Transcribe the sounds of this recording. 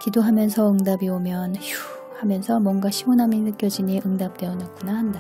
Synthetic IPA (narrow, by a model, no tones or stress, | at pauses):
kidoɦamjʌnsʰʌɯŋdabiomjʌnçu | hamjʌnsʰʌmwʌnɡaɕʰimonɦaminɯk͈jʌd͡ʑiɲiʔɯŋdap̚t͈we̞ʌnak͈unahanda